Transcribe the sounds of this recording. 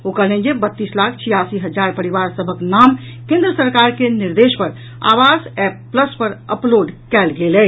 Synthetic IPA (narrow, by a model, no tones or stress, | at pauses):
okəlẽnd͡ʒebət̪ːislakʰt͡ʃʰijasiɦəd͡ʒaɾpəɾiʋaɾsəbʱəknam | kẽnd̪ɾəsəɾkaɾkeniɾd̪espəɾ | a̰ʋasɛpːləspəɾə̰ploɖkɛlɡelɛ